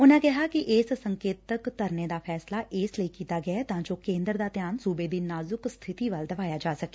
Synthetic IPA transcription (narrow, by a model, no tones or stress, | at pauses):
ʊnãːkɪɦaːkiʔɪssəŋkeːt̪əkt̪əɾneːd̪aːpʰɛːslaːʔɪːsləiːkiːt̪aːɡɪɛːt̪ãːd͡ʒoːkẽːnd̪əɾd̪aːt̪jaːnsuːbeːd̪iːnaːzʊkst̪ʰɪt̪iːʋəld̪əʋaːjaːd͡ʒaːsəke̥ː